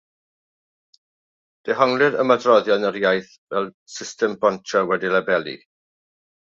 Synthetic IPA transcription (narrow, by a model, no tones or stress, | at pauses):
d̥ɛɦɔŋlˠɨɾə̰mədrɔðjanəɾjajθ | vɛlˠ | sɪstʰɛmbɔntʰawɛdilɛbɛlˠḭ